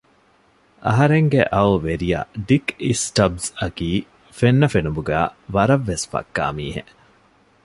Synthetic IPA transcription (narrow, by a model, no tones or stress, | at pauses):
ʔɐ̰ɦɐɾeŋɡeʔɐuʋeɾija̰ɖikisʈɐbsɐkiː | fenːɐfenubuɡæ̰ːʋɐɾɐʋːesfɐ̰kːa̰ːmiːɦḛ